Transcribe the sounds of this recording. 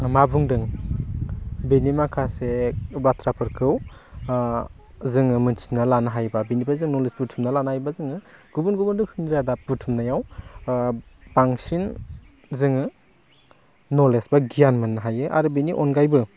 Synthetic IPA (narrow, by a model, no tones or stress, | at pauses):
mabuŋdɯŋ | benimakʰasebatʰɾapʰɯɾkʰɯw | zɯŋɯmɯnsinalanaɦajbabenibʰazɯŋnɔlesputʰumnalanaɦajbazɯŋɯɡ̥ubunɡubundɯpʰɯndiɾadaputʰumnajaw | b̥aŋsin | zɯŋɯ | ɔlesb̥aɡijanmɯnːaɦajɯʔa̰ɾubeniʔɔnɡajbɯ